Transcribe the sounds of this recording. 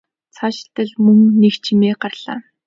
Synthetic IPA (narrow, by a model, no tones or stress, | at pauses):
t͡sʰaʃɪ̥̆ɬt̪ə̆ɮmɵŋnekt͡ɕʰimeːɢarɮa̰ː